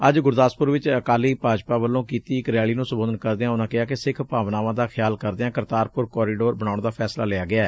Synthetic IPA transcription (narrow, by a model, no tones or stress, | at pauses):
əd͡ʒɡʊɾd̪aːspʊɾʋɪt͡ʃəkaːliːpaːd͡ʒpaːʋəlːõːkiːt̪iːɪkɾɛːɭiːnũːsəboːd̪ənkəɾd̪eːãːʊnãːkɪɦaːkɪsɪkʰpaːʋnaːʋãːd̪aːxʰɪjaːlkəɾd̪eãːkəɾt̪aːɾpʊɾkɔːɾiːɖoːɾbəɽ̃aːɳ̃d̪aːpʰɛːslaːleaːɡɪaːɛː